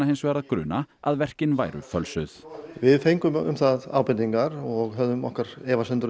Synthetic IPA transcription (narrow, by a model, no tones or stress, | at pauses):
ahejnsɔɛɾaðkɾʏ̰ːnaaðvɛr̥cɪnvaːjɾʏ̰fœlsʏð̥vɪðfejŋkʏmʏ̰mθaða̰ːwpɪniŋkaɾɔɣɦœðʏmɔ̰hkaɾ̥ɛːvasɛnt̪ʏɾ